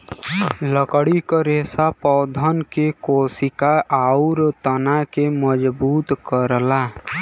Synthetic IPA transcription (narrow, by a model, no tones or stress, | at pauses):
ləkɽikəɾesapɔwd̪ʱənkekosikaʔaʊɾt̪ənakeməd͡ʒbuːt̪kəɾla